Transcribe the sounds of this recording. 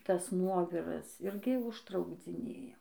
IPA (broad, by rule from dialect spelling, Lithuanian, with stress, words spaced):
ˈtɐs ˈnuɔʋʲɪrɐs ˈɪrʲɡʲɪ ʊʃtrɐʊɡd͡zʲɪˈnʲeːjɛ